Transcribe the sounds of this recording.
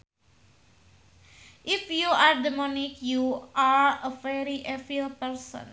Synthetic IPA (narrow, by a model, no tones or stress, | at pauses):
ʔifjuaɾdɛmɔnɪkjuaɹəfɛɾiʔɛfilpɛɾsɔ̰̃n